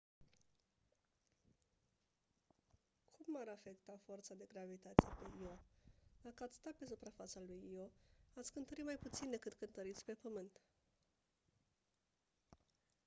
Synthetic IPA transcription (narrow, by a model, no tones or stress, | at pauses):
kʰumːaɾafe̞kt̪afort̪sad̪e̞ɡɾavit̪at̪sijepe̞iod̪akəat̪sʲst̪atpe̞s̬upɾafat̪salujioat̪sʲkɨnt̪əɾit̪majput̪sind̪e̞kɨt̪kɨnt̪əɾit̪sʲpe̞pəmɨnt̪